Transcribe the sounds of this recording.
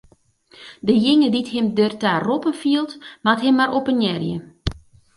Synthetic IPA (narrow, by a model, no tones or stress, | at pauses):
dəjɪŋəditɦɪmdørtaːropənfiəlˠtmatɦɪmːaɾʔopənjɛrjə̰